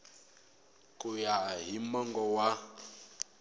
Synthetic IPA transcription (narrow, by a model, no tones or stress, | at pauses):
kujaɦimɔŋɡɔwa